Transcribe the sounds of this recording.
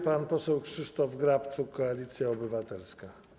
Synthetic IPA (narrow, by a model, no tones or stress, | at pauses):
panpɔsɛwkʂɘʂt̪ɔvɡɾapt͡ʂukːɔalʲit̪sʲjaɔbɘvat̪ɛlska